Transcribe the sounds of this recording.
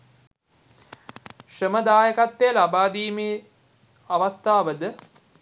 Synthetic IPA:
ʂəməd̪aːjəkat̪ːejlabaːd̪iːme | aʋast̪ʰaːʋəd̪ə

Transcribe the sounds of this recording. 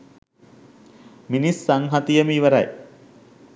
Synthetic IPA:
minisːaŋɦat̪ijəmiːʋəɾaj

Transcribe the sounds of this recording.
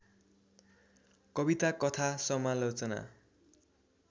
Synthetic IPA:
kʌbit̪akʌt̪ʰasʌmalot͡sʌna̰

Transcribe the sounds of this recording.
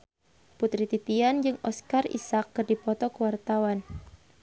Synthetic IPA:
put̪ɾit̪it̪iand͡ʒɨŋɔskarḭsakːɨrdipɔt̪ɔkəwart̪awan

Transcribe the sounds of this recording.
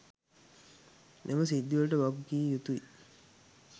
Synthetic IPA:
nʔeməsid̪ːiʋulʈəʋaɡɡiːjut̪ui

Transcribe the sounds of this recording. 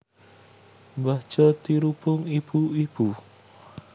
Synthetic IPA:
mbḁt͡ʃɔt̪iɾupʊŋib̥uib̥u

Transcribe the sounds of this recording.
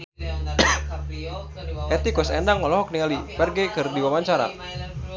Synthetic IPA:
ʔɛt̪ikʊsɛndaŋmɔlɔɦɔk̚niŋalipɛrɡɛkɨrdiwamaɲt͡ʃaɾa̰

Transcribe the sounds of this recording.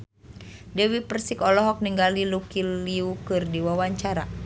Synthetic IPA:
dɛwipərsikɔlɔɦɔk̚niŋɡalilukiiukɨrdiwawaɲt͡ʃaɾa̰

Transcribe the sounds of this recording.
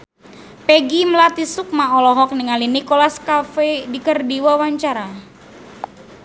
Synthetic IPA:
pɛɡiməlat̪isuk̚maɔlɔɦɔk̚niŋalinikolaskafedikərdiwawaɲt͡ʃaɾa

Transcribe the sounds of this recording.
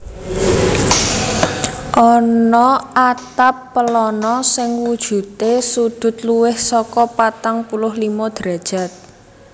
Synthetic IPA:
ʔɔnɔʔat̪apːəlɔnɔsɪŋwud̥ʒ̥ṳt̪esud̪̥ʊ̤t̪̚luwɪhsɔkɔpat̪aŋpulʊhlimɔd̪̥ɾa̤d̥ʒ̥a̤t̪̚

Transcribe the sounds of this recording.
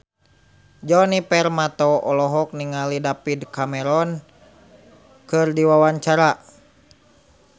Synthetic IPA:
d͡ʒɔnipɛrmat̪ɔɔlɔɦɔk̚niŋalidapidkamɛɾɔn | kɨrdiwawaɲt͡ʃaɾa

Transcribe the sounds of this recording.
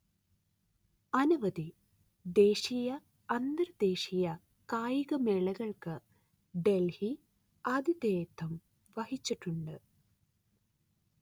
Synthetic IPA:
ɐnuʋɐd̪i | d̪e̞ːɕijɐ | ɐnd̪ɐɾd̪e̞ːɕijɐ | kaːjiɣɐmeɭɐɣɐɭkɨ | ɖe̞lhi | ɐd̪ʱid̪eːt̪ʰːɐm | ʋɐhit͡ɕːiʈːuɳɖɨ

